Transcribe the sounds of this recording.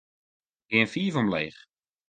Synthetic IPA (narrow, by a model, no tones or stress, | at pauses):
ɡ̥ɪənfiːvɔmlḛːχ